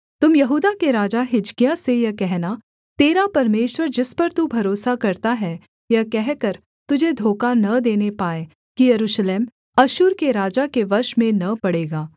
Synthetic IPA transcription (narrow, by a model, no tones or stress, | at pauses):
t̪ʊmjɐɦuːd̪akeɾaːd͡ʒaɦɪd͡ʒkijãsejɐkɛɦna | t̪eːɾapɐɾmeːʃwəɾd͡ʒɪspɐɾt̪ubʱɐɾoːsakɐɾt̪aɦɛ | jɐkɛɦkɐɾ | t̪ʊd͡ʒʱed̪ʱoːkanɐd̪eːnepaːe | kijɐɾuːʃleːm | ɐʃʊːɾkeɾaːd͡ʒakeʋɐɾʃmẽnɐpɐɽeːɡaː